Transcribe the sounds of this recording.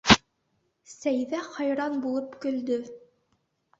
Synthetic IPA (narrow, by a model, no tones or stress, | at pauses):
sæjðæχɑjɾɑnbulˠɤpkɵ̆ld̪ɵ